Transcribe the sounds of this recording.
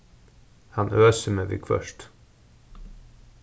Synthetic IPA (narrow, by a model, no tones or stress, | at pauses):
hɑnʔøːsəmeːʋɪ̰ːkʰfœ̰ʃt